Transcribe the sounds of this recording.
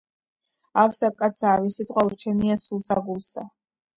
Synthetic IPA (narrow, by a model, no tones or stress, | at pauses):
afsakʼat̪sʰaːvisit̪ʼqʼwalɾt͡ʃʰɛmiasulˠsaɡulˠsa̰